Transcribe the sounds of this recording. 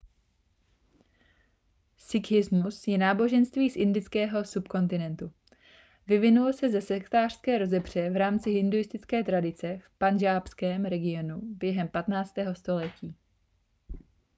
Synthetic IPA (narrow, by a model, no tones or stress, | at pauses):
sɪkɪzmusjɛnaːbo̞ʒɛnst̪viːsʔɪndɪt͡skɛːɦo̞supko̞nt̪ɪnɛnt̪u | vɪvɪnulosɛzɛsɛkt̪aːr̝̥skɛːɾo̞zɛbr̝̥ɛvɾaːmt͡sɪɦɪndujɪst̪ɪt͡skɛːt̪ɾadɪt͡sɛfpanʒaːpskɛːmɾɛɡɪo̞nubjɛɦɛmpat̪naːt͡st̪ɛːɦo̞st̪o̞lɛciː